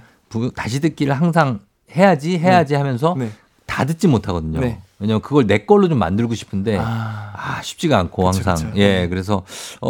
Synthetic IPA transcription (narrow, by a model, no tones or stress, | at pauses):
putaɕʰidɯk͈iɾɯɭhaŋs̬ʰaŋ | he̞jad͡ʑiɦe̞jad͡ʑihamjʌns̬ʰʌn | tadɯt̚t͡ɕ͈imotʰaɡʌdɯɲowe̞ɲamjkɯɡʌɭne̞k͈ʌɭːot͡ɕomːa̰ndɯɭɡoɕʰi̥pʰɯnde̞aɕʰi̥p̚t͡ɕ͈iɡaankʰohaŋs̬ʰa̰ŋje̞kɯɾe̞s̬ʰʌʌ